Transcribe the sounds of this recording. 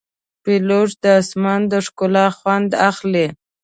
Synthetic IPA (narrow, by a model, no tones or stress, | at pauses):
peloʐd̪əːsmand̪əʂkolɑxwand̪axle